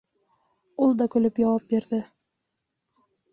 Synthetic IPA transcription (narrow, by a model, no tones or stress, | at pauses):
ulˠd̪ɒkɵ̆lɘpjɒwɑp̚biɾðɘ